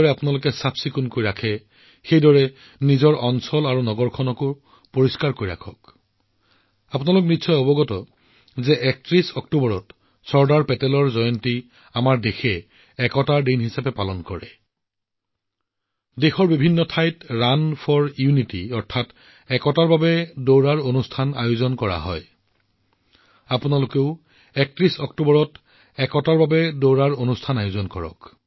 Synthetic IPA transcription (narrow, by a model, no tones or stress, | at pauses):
ɹɛapʊnalʊkɛsapsikunkojɹakʰɛ | xejdɔɹɛ | nizɔɹɔnsɔlaɹunɔɡɔɹkʰɔnɔkʊ | poɹiskaɹkojɹa̰kʰɔk | apʊnalʊk̬̚nitsɔjɔbɔɡɔtɔ | zɛʔɛk̚tɹisɔktubɔɹɔt | sɔɹdaɹpɛtɛlɔɹzɔjɔnti | amaɹdexɛː | kɔtaɹdenɦisapɛpalɔnkɔɹɛ | dexɔɹbibʱinːɔtʰajtɹanpʰɔɹjunitiɔɹtʰat | ɛkɔtaɹbabɛdoɹaɹonustʰana̰jʊzɔnkɔɹa̰ɦɔ̰j | apʊnalʊkeʊ | ɛk̚tɹisɔktubɔɹɔt | ɛkɔtaɹbabɛdoɹaɹonustʰanajʊzɔnkɔɹɔ̰k